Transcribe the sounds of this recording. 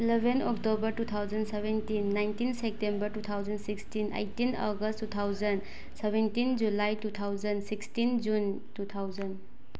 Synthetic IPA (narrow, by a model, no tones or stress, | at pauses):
ilebʱenɔktobəɾtut̪ʰawd͡ʒənsebʱentinːajntinsek̚tembəɾtut̪ʰawd͡ʒənsikstinḛjtina̰ɡəstːut̪ʰawzən | sebentind͡ʒulajtut̪ʰawd͡ʒənsikstind͡ʒun | tut̪ʰawzən